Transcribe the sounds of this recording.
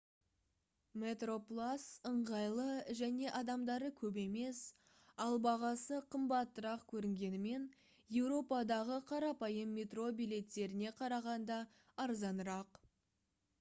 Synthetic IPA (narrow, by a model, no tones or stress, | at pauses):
me̞t̪ro̞plˠasəɴʁɑjlˠəʒæne̞ʔɑd̪ɑmd̪ɑɾəkʲʰɵb̬e̞me̞s | ɑlˠbɑʁɑsəqʰəmbɑt̪ːəɾɑqkʲʰɵɾɪŋɡʲe̞nɪme̞n | je̞wɾo̞pɑd̪ɑʁəqʰɑɾɑpɑjəmːʲet̪ro̞bijlʲe̞t̪ːe̞ɾɪne̞qʰɑɾɑʁɑnd̪ɑ | ɑɾzɑnəɾɑq